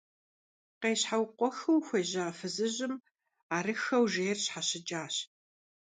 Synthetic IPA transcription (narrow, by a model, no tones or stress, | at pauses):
qeːɕħawqʷɔxɐwxʷeːʑaːfɨzɨʑɪm | aːɾɨxɐwʒeːjɛrɕħaɕɪt͡ʃʼaːɕ